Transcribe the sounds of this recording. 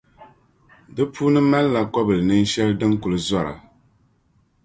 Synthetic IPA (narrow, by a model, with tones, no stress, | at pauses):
dɨ˦pʰuː˦nɨ˦ma˦lla˨kɔ˦bɨ˨lɨ˨nɨ˦n˦ʃɛ˦ldɨ˦ŋku˨lɨ˨za˦˨ɾa̰˨